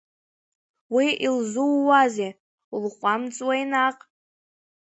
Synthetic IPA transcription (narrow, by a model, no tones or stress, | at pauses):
wiʔilzuwːaze | ulχʷamt͡sʼwajnaqʼ